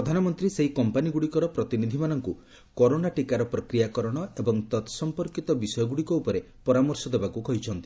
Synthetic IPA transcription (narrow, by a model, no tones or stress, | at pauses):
ɾɔd̪ʱanɔmɔnt̪ɾiseɦikɔmpaniɡuɽikɔɾɔpɾɔt̪inid̪ʱimanɔŋku | kɔɾoɽaʈikaɾɔpɾɔkɾijakɔɾɔɽ̃ɔebɔŋt̪ɔt̪sɔmpɔɾkit̪ɔbisɔjɔɡuɽikɔupɔɾe | pɔɾamɔɾsɔd̪ebakukɔɦit͡ʃʰɔnt̪i